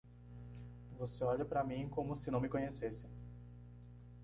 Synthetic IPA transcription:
voseɔʎɐpɾɐmĩkõmʊsɪnɐ̃w̃mɪkõɲesesɪ

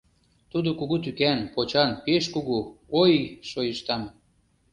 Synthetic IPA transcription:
t̪ud̪okuɣut̪ykænpot͡ɕɑnpeʃkuɣuojʃojəʃt̪ɑm

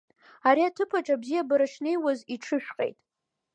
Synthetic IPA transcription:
aɾiatʰɨpʰaʈ͡ʂʼabzijabɨɾaʂne̞jwaziʈ͡ʂʰɨʃᶣqʼḛjtʼ

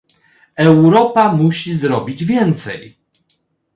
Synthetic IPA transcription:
ɛwɾɔpamuɕizɾɔbʲid͡ʑvʲjɛnt̪sɛ̰j

